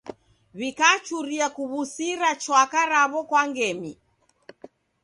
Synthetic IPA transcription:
βikat͡ʃuɾiakuβusiɾat͡ʃwakaɾaβɔkwaŋɡɛmi

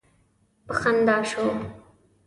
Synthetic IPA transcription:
pəxand̪ɑːʃo

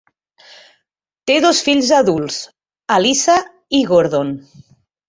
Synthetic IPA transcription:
t̪eðosfiʎzaðulˠs | alisa | iɣoɾðon

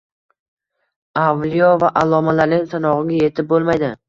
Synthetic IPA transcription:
avlijɒvaʔalˠɒmalaɾnɪŋsanɒʁɨɡʲaje̞t̪ʰɪp̚bolˠmajd̪ɪ

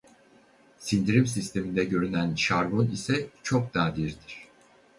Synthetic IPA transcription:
sind̪iɾimsist̪ʰe̞mind̪ɛɟø̞ɾynænʃaɾbonisɛt͡ʃʰo̞k̚d̪aːd̪iɾd̪iɾ̥

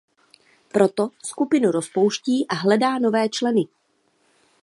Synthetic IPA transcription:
pɾo̞t̪oskupɪnuɾospo̞wʃciːʔaɦlɛdaːno̞vɛːt͡ʃlɛnɪ

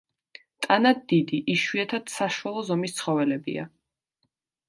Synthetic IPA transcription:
t̪ʼanad̪ːid̪iʔiʃwiɛt̪ʰad̪̥saʃwalˠɔzɔmist̪sʰχɔvɛlɛbḭa̰

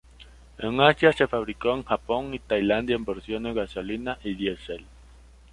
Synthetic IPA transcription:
eŋasjasefaβɾikoeŋxapoŋit̪ajland̪jaembeɾsjoneɣasolinaʔiðjesel

